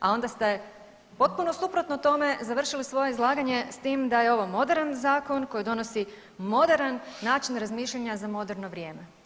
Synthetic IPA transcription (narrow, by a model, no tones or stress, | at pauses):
a̰o̞nd̪ast̪e̞ | po̞t̪̚puno̞supɾo̞t̪not̪o̞me̞zaʋr̩ʃilisʋo̞jeizlˠaːɡaɲe̞st̪iːmd̪ajeo̞ʋomo̞d̪e̞ɾanzaːko̞nko̞jid̪o̞no̞si | mo̞d̪eɾanːaːt͡ʃinɾazmiːʃʎaɲazamo̞d̪eɾno̞ʋɾjeːme